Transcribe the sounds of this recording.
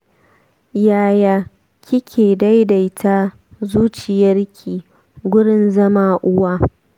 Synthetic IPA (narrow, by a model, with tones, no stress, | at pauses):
jaː˦jaː˦ | kʲʰɪ˦kʲʰeː˨da˦jda˨jtʰaː˦ | zuː˦t͡ʃɪ˨jɐ˦rkʲʰiː˨ | ɡʷʊ˦ɽɪ˨nzɐ˦maː˨ʔʊ˦waː˦